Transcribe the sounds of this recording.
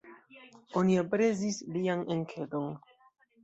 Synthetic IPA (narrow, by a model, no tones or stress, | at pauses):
oniopɾezislianeŋkʰedon